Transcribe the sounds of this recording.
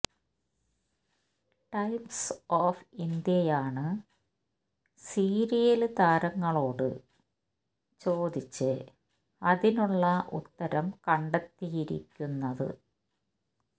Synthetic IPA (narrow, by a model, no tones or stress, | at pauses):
ʈɐjmsoːfind̪jɐjaːɳɨ | siːɾijɐld̪aːɾɐŋːɐɭo̞ːɽɨ̰ | t͡ɕo̞ːd̪it͡ɕːɨ | ɐðinuɭːɐʔṵt̪ːɐɾɐmkɐɳɖɐt̪ːijiɾḭkʲːunːɐðɨ̰